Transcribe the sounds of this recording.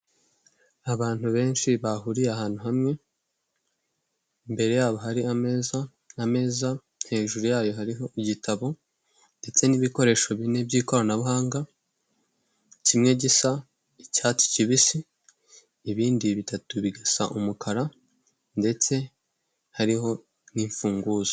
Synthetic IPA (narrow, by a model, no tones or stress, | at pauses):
aβaːn̥huβe̞ːnʃiβaɦuɾijaɦaːn̥huɦamŋe̞ | mbe̞ɾe̞jaːβo̞ɦaɾiameza | ame̞ːza | n̥he̞ːʒuɾujaːjo̞ɦaɾiɦo̞iɟitʰaβo̞ | nde̞t͡se̞niβiko̞ɾe̞ːʃo̞βine̞bɟiːko̞ɾanaβuɦaːŋɡa | cimŋe̞ɟisa | icaːt͡si̥ciβisiː | βiːndiβitatuβiɡesa̰ʔumukʰaɾa | nde̞t͡se̞ | haɾiɦo̞ | niːɱfuːŋɡuːzḁ